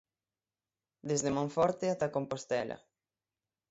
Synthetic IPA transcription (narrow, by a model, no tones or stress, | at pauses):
d̪ezðemõɱfɔɾt̪eat̪akompost̪ɛlɐ̰